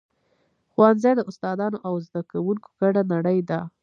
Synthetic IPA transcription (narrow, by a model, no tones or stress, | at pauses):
xwanzajd̪əʊst̪ɑd̪ɑnoʔawzd̪akawuŋko̥ɡ̥aɽanaɽəjd̪a